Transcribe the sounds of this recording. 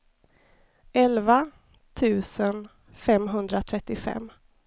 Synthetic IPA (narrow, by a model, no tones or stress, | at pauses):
ʔɛlva | t̪ʰʉ̟ːsən | fɛmɦɵnd̪ɾat̪ʰɾɛt̪ːɪfɛ̰mː